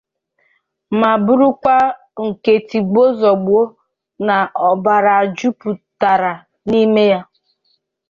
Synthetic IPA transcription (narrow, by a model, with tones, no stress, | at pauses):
ma˨bʊ˦ɾʊ˦kʷa˦ | ŋ̩˨ke˨ti˨ɡ͡bo˦zɔ˨ɡ͡bu˨o˦ | na˨ɔ˨ba˨ɾa˨a˨d͡ʒu˦pu˨ta˨ɾa˨ | ni˦me˦ja˦